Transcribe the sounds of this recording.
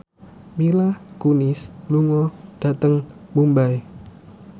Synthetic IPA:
milakunɪsluŋɔd̥at̪əŋbumbaj

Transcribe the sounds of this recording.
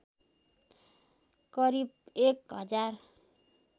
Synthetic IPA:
kʌɾibekɦʌd͡zar

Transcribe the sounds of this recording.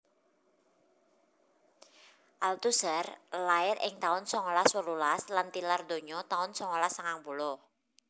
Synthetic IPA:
ʔalt̪usərlaɪɾɪ̰ŋt̪aʊnsɔŋolaswəlulaslant̪ilard̪oɲɔt̪aʊnsɔŋolasaŋaŋpulʊh

